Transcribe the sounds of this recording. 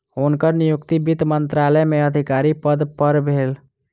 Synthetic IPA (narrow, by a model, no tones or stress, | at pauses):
ʊnkəɾnɪjʊkt̪ibɪt̪mə̃nt̪ɾaːləjmẽəd̪ʱɪkaːɾipəd̪pəɾbʱeːl